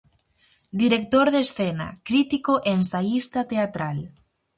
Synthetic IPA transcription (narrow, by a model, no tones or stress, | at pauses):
d̪iɾek̚t̪oɾðesθena̰kɾit̪ikoʔensajist̪at̪eat̪ɾal